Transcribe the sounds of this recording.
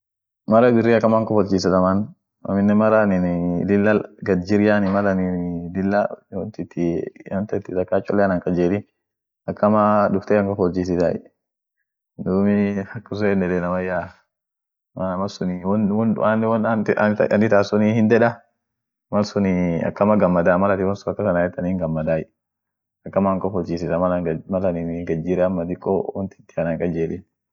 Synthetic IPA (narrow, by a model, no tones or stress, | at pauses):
mɐɾɐbɪrːiːɐkːɐmaŋkɔfɔlt͡ʃiːs̬ɐt̪ɐman | ɐ̰mɪnːɛmɐɾanɪnlɪlːalɡɐd͡ʒɪɾjaːnɪmɐlɐnɪlɪlːawɔnt̪ɪt̪ʰːɪwɐnt̪ɐɪt̪ːɪt̪ɐkːaːt͡ʃʼːɔlːɛnɐŋkʼɐd͡ʒeːd̪ɪ | ɐkːɐmadʊft̪ɛːɐŋkɔfɔt͡ʃːis̬ɪt̪a̰ | d̪uːmɪɐkːɐs̬ɔɛnːɛdɛnɐmɐja | manɐmɐsʊnɪwɔnwɔnʊ̰ʔanːwɔnɐnɪt̪aːsʊnihɪnd̪ɛᶑɐ | mɐlsʊnɪɐ̰kːɐmɐɡɐmːɐd̪aːmɐlɐt̪ɪwɔnsʊɐkːɐsɐnajɛt̪ːɐniŋɡɐmːɐd̪aːjɛ | ɐkːɐmaŋkɔfɔlt͡ʃiːsɪtamɐmɐlɐnɪnɡɐd͡ʒiɾɛɐmːɐd̪ɪkʼːɔwɔnt̪ɪ̥t̪ːɪɐnɐŋkʼɐd͡ʒeːlɪn